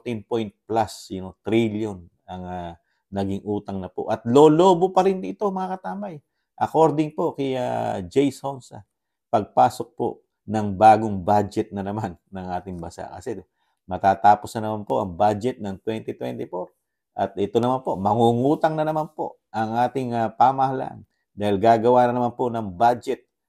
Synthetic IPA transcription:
t̪inpojnt̪̚plasjɐnot̪ɾiljon | ɐŋa | nɐɡɪŋʔuːt̪ɐŋnɐpo̞̰ʔɐt̪̚lo̞ːlo̞ːbo̞pɐɾɪnʔɪt̪o̞mɐŋakɐt̪aːmɐj | ʔɐko̞ɾd̪ɪŋpo̞kɛja̰d͡ʒɛjshonsɐ̰ | pɐɡ̚paːso̞k̚po̞̰ʔ | nɐŋbaːɡoŋbad͡ʒɛt̪̚nɐnɐmanːɐŋʔaːt̪ɪŋbɐsa̰ʔkɐsɛ | mɐt̪aːt̪aːposnɐnɐmanpo̞ʔɐŋbad͡ʒɛt̪̚nɐŋt̪wɛnt̪ɛt̪wɛ̰nt̪ɪpo̞ɾ | ʔɐt̪ʔɛt̪o̞nɐmanpo̞ʔmɐŋuːŋuːt̪ɐŋnɐnɐmanpo̞̰ʔ | ʔɐŋʔaːt̪ɪŋɐpaːmɐhɐla̰n | d̪aːhɪlɡaːɡɐwaːnɐnɐmanpo̞nɐŋbad͡ʒɛt̪̚

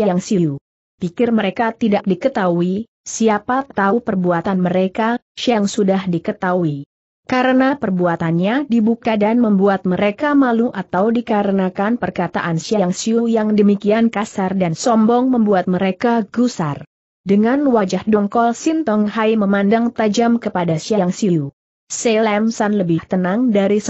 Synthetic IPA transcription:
aaŋsiu | pikɪrməɾekat̪idak̚dikət̪aui | siapat̪aupərbuat̪anməɾekasiaŋsudahdikət̪aui | kaɾənapərbuat̪anɲadibukadanməmbuat̪̚məɾekamaluʔat̪awdikaɾənakanpərkat̪a̰ʔansiaŋsiujaŋdəmikiankasardansɔmbɔŋməmbuat̪̚məɾekaɡusa̰r | dəŋanwad͡ʒahdɔŋkɔlsint̪ɔŋhajməmandaŋt̪ad͡ʒamkəpadasiaŋsiu | selɛmsanləbɪht̪ənaŋdaɾis

